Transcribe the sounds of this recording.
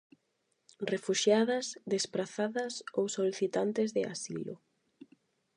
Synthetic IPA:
refuʃjaðɐzðespɾaθaðɐsowsoliθit̪ant̪ezðea̰silʊ̰

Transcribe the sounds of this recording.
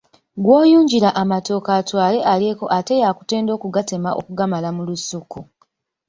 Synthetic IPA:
ɡwoːjuːɲɟiɾaʔamato̞ːkaːtwaːle̞ʔalie̞ːko̞ʔate̞jaːku̥te̞ːndo̞ːkuɡate̞maʔokuɡamalamulusuku

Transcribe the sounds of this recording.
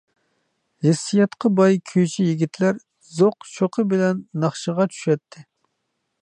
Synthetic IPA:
hɪsːijɑt̪qʰəbɑjkʲʰøt͡ʃʰijiɡʲit̪ʰlæɾ | zoqt͡ʃʰoqʰəbɪlɛnːɑχʃəʁɑt͡ʃʰy̥ʃɛt̪ʰːɪ

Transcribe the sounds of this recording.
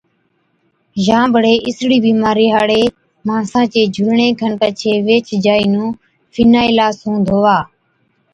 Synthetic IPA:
ʒãːbʱəɽeːʔɪsɽiːbiːmãːɾiːɦaːɽeː | mãːsãːt͡ʃeːd͡ʒʱʊlɳẽːkʰənpət͡ʃʰeːʋeːt͡ʃd͡ʒaːiːnũː | fʰiːnaːiːlaːsũːd̪ʱoːʋaː

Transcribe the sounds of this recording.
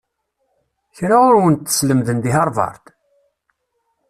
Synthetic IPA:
çɾaʊɾwənt̪ːə̥sləmðənd̪iɦɑɾˤvɑ̰ɾˤt̪

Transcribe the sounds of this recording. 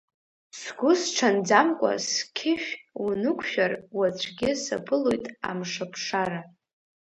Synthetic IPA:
sɡʷʊsʈ͡ʂʰand͡zamkʷʼa̰skʲʰɪʃᶣunɨkʷʰʼʃᶣarwat͡ɕʷʰɡʲɪsa̰pʰɨlo̞jtʼa̰mʂapʰʂaɾa

